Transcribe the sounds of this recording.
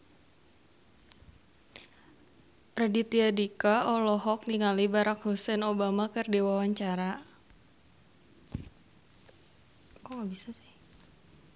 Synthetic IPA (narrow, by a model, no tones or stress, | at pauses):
rədit̪iadikaɔlɔɦɔk̚niŋalibaɾakhusɛnobamakɨrdiwawaɲt͡ʃaɾa | ɔbisatɛ